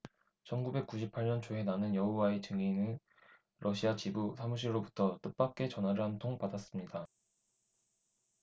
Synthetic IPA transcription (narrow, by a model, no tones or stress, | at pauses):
t͡ɕʰʌnɡube̞k͈uɕʰipʰaɭɲʌnt͡ɕoɦe̞nanɯnjʌɦuwae̞t͡ɕɯŋinɯn | ɾʔʌɕʰiat͡ɕibusʰamuɕ̬ʰiɾɾobutʰʌt͈ɯp͈ak̚k͈e̞t͡ɕʌnɦwaɾɯɭɦantʰoŋpadas͈ɯmɲida